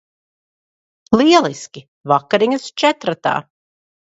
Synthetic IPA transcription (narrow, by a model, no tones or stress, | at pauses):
lˠiɛlˠiskʲi | vakːaɾiɲɐst͡ʃɛt̪ɾat̪a̰ː